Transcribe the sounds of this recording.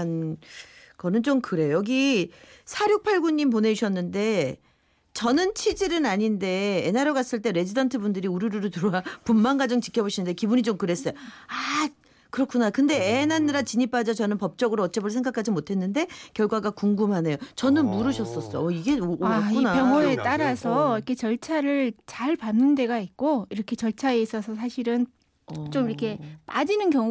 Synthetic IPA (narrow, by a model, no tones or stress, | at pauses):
n | kʌnɯnt͡ɕomkɯɾe̞jojʌɡisʰaɾjok̚pʰaɭɡuɲːimpone̞ɕʰʌnːɯnde̞ | t͡ɕʌnɯnt͡ɕʰid͡ʑiɾɯnaɲinde̞ːnaɾjoɡas͈ɯɭt͈e̞ɾe̞d͡ʑidʌntʰɯbundɯɾiuɾuɾuɾɯtuɾowapumːaŋɡad͡ʑʌŋt͡ɕi̥kʰjʌboɕʰinːɯnde̞kibuɲit͡ɕomkɯɾe̞s͈ʌjoa | kɯɾʌkʰunakɯnde̞enanːiɾat͡ɕiɲip͈ad͡ʑʌt͡ɕʌnɯnpʌp̚t͡ɕ͈ʌɡɯɾoʌt͡ɕ͈ebɯɭsʰe̞ŋɡakʰad͡ʑimotʰe̞nːɯnde̞kjʌɭɡwaɡakuŋɡumɦane̞jot͡ɕʌnɯnmuɾɯɕʰʌs͈ʌs͈ʌ̰ʌiɡe̞okunakjʌŋoe̞t͈aɾasʰʌikʰe̞t͡ɕʌɭt͡ɕʰaɾɯɭt͡ɕaɭpanːɯnde̞ɡait̚k͈oiɾʌkʰe̞t͡ɕʌɭt͡ɕʰaeis͈ʌsʰʌs̬ʰaɕʰiɾɯn | t͡ɕ͈omiɾʌkʰe̞pad͡ʑinɯnkjʌŋ